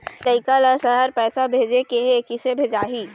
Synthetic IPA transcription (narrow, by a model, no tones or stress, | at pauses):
k̪ɐikalasəɦəɾpɛːsabʱeːd͡ʒekeɦeːkɦɪsebʱeːd͡ʒaːɦiː